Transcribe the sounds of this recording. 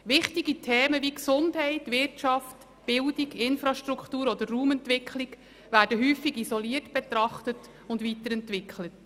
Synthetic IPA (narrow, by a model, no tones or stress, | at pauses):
ʋɪχtiɡitʰɛːməʋiksʊndɦɛɪtʋɪrtt͡ʃɑft | b̥ɪldiɡɪnfɾɑʃtɾukχtuːɾɔd̪ərːuːmɛntʋɪkʰlɪɡ | ʋæːɾdəɦyːfiɡisɔliːərtb̥ɛt̪ɾɑχtət | ʊndʋitəɾɛntʋɪkʰχlət